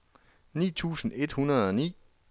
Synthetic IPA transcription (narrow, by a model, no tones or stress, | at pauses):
nḭːt͡sʰṵːsn̩e̝d̥hunɐð̞ˠɒ̽nḭː